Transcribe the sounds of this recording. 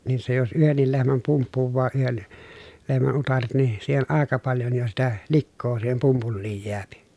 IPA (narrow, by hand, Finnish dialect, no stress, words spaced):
niːn se jos yhenːil lehmæm pumpːuʋːɑː yhen lehmæn utɑret ni siːhen ʔɑˑekɑ pɑljon jo sitæ likːoː siːhem pumpulːiːj jeæpi